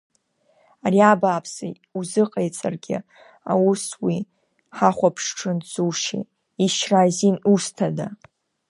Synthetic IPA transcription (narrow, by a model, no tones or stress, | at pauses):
ariabaːpʰsa̰ | uzɨqʼejt͡sʼarɡʲɪ̰ | a̰wuswi | ħaχʷapʰʂʈ͡ʂʰɨnzuʃḭ | iʃrazinustʰada